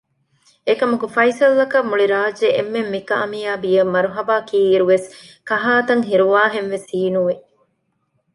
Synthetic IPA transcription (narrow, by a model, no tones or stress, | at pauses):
ekɐmukufɐisɐlːɐkɐmːuɭiɾaːd͡ʒeʔemːemːikɐʔɐmijaːbijɐmːɐɾuɦɐbaːkiːɾuʋeskɐɦaːt̪ɐŋɦiɾuʋaːɦenʋesiːnuʋe